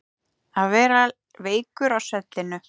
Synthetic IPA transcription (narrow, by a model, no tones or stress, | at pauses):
aðvɛːɾa | veːjkʏɾawsɛt̪lɪnʏ